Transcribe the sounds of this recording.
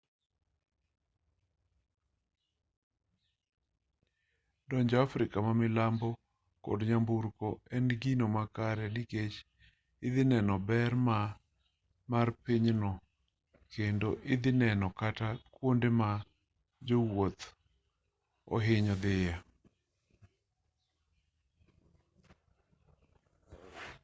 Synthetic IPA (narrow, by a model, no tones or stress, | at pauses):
dɔɲd͡ʒɔafɾɪkamamɪlambɔ | kɔ̰dɲambuɾkɔɛnɡinomakaɾɛnɪket͡ʃ | ɪd̪ɪnɛnɔbɛrma | marpiɲnɔ | kendoʔɪd̪ɪnɛnɔkatakwondema | d͡ʒowot̪ | ɔ̰ɦɪɲɔd̪ɪja